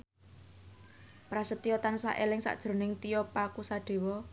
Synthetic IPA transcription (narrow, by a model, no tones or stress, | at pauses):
pɾasət̪ːijɔt̪ansa̰ʔelɪŋsa̰ʔd̥ʒ̥ɾo̤nɪŋt̪ijɔpakusaɖ̪̥e̤wɔ